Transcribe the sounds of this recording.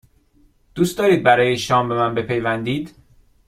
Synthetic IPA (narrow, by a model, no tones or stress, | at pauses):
d̪̥uːst̪ɒːɾiːd̪̚bæɾɒːjeʃɒːmbe̞mænbe̞pʰe̞jvænd̪iːd̪